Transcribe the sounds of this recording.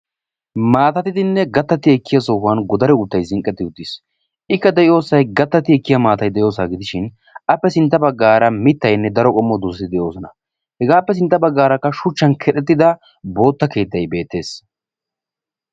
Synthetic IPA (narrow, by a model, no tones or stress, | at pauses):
maːt̪ɐt̪ɪd̪ɪnːɛɡɐt̪ːɐt̪ɪɛkːɪjɐsoːɦwɐnɡɔd̪ɐɾɛʊt̪ːɐjzɪŋkʼːɛt̪ːɪʊt̪ːis | ʔɪkːɐd̪ɛʔɪo̞ːsɐjɡɐt̪ːɐt̪ɪɛkːɪjɐmaːt̪ɐjd̪ɛjo̞ːsaːɡɪd̪ɪʃɪn | ɐpːɛsɪnt̪ːɐbɐɡːaːɾɐmɪt̪ːɐjnːɛd̪ɐɾɔkʼɔmːɔd̪usɐɪd̪ɛʔjo̞ːsɔnɐ | hɛɡaːpːɛs̬ɪnt̪ːɐbɐɡːaːɾɐkːɐʃʊt͡ʃːɐnkʰɛᶑɛt̪ːɪd̪ɐ | bo̞ːt̪ːɐke̞ːt̪ːɐjbe̞ːt̪ːe̞ːs